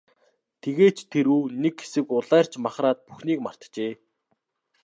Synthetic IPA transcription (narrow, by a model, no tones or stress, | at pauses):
t̪ʰeɣeːt͡ɕt̪ʰeɾuːnekxe̥sɘ̆kʊɮæːr̥t͡ɕmaχraːt̪̚puxniːkmar̥t̪t͡ɕeː